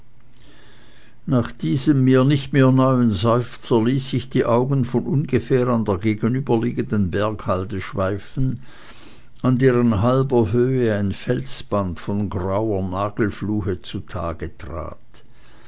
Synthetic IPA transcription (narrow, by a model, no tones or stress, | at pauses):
naːχd̥iːzəmːiːɐnɪçtmeːɐnɔʏənzɔʏft͡sɐliːsɪçd̥iːʔaʊɡən̩fɔnʔʊnɡəfɛːʁandeːɐɡeːɡənyːbɐliːɡəndənbɛɐkhaltəʃv̥aɪfn̩ | ʔandeːʁənɦalbɐɦøːəaɪnfɛlsb̥antfɔnɡʁaʊɐnaːɡl̩fluːhət͡sutʰa̰ːɡətʁ̥a̰ːt